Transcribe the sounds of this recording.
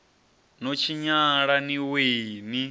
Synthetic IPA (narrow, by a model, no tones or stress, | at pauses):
not͡ʃʰiɲaɺaniweːni